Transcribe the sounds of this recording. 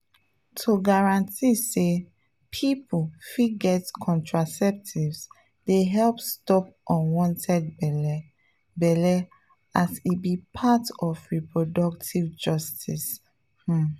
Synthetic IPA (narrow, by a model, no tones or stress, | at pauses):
tʰoɡaɹãntʰise | pʰipufiɡɛtkʰɔ̃ntʰɹasɛp̚tʰivs | deɦɛlpstɔpʔɔ̃nwɔ̃ntʰɛd̚b | bɛlɛ | asibipʰatɔfɹipɹɔdɔktʰivd͡ʒɔstis